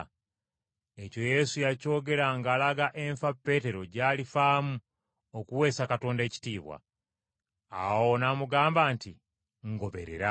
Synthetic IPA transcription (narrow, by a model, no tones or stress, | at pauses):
eco̞je̞sujaco̞ːɡe̞ɾaŋɡaːlaɡaʔe̞ɱfapːe̞te̞ɾo̞ɟaːlifaːmu | okuwe̞ːsakato̞ːnde̞ːci̥tiːβwa̰ | a̰wonamuɡaːmbaːnti | ŋɡo̞βe̞̰ɾe̞̰ɾa